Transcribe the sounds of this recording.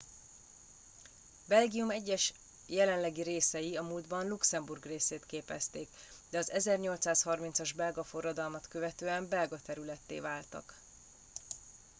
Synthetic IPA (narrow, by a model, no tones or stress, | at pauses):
bɛlɡijumɛɟːɛʃ | jɛlɛnlɛɡiɾeːsɛjiɒmuːld̪bɒnluksɛmburɡreːseːt̪keːpɛ̰st̪eːk | d̪ɛɒzɛzɛrɲo̞lt̪saːshɒrmint̪sɒʒbɛlɡɒfo̞rːɒd̪ɒlmɒt̪kø̞vɛt̪øːɛmbɛlɡɒt̪ɛɾylɛt̪ːḛːvaːlt̪ɒ̰k